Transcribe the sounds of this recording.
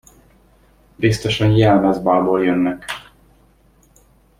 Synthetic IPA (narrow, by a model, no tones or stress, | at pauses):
bist̪oʃɒnjɛlmɛzbaːlboːljønːɛk